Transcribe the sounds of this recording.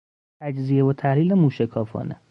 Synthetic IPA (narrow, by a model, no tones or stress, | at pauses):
t̪ʰæd͡ʒzijevot̪ʰæhliːlemuːʃekʰɒːfɒ̰ːnḛ